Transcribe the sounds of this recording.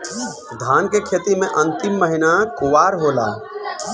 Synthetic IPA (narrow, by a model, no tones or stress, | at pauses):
d̪ʱaːnkekʰet̪imẽʔə̃nt̪imːəɦinakʊʋaːɾɦoːla̰ː